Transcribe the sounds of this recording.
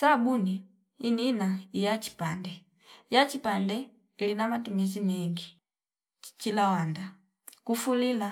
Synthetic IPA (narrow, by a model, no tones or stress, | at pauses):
sabuni | ininaijat͡ʃi̥pandɛ | jat͡ʃipandɛ | ilinamatumɛs̬imɛŋɡi | t͡ʃilawanda | kufulila